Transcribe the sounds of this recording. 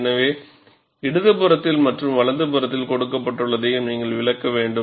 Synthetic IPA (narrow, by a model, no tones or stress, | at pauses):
nɐʋeː | ɪɽɯðɯpɯɾɐt̪ːɪlmɐʈrɯmʋɐɭɐnd̪ɯpɯɾɐt̪ːɪlkɔɽɯkːɐpːɐʈːɯɭːɐðɐjɯmniːŋɡɐɭʋɪɭɐkːɐʋeːɳɖɯ